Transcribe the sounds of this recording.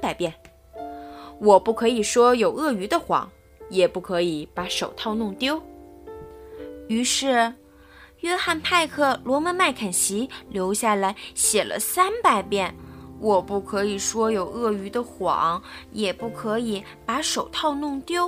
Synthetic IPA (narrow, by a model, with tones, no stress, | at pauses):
a˥npa˧˩ɪpjɛ˥˩n | wɔ˨˩pu˥˩kʰɤ˧˥i˨˩ʂwɔ˥jo˨˩ʊɤ˥˩y˧˥d̪ə˧xwɑ̰˧˥ŋ | jɛ˨˩pu˥˩kʰɤ˧˥i˨˧˥pa˧˥ʂo˨˩ʊt̪ʰɑ˥˧ʊnʊ˥˩ŋt̪jo˥ʊ | y˧˥ʂɻ̩˥˩ | jɥɛ˥xa˥˧npʰa˥˧ɪkʰɤ˥˩lwɔ˧˥mə˧˥nma˥˩ɪkʰa˨˩nɕi˧˥ljo˧˥ʊɕja˥˩la˧˥ɪɕjɛ˨˩lʔə̰˦sa˥npa˨˩ɪpjɛ˥˩nwʔɔ˨˩pu˥˩kʰɤ˧˥i˨˩ʂwɔ˥jo˨˩ʊɤ˥˩y˧˥d̪ə˧xwɑ̰˨˩˦ŋjɛ˨˩pu˥˩kʰɤ˧˥i˨˧˩ | pa˧˥ʂo˨˩ʊt̪ʰɑ˥˧ʊnʊ˥˩ŋt̪jo˥ʊ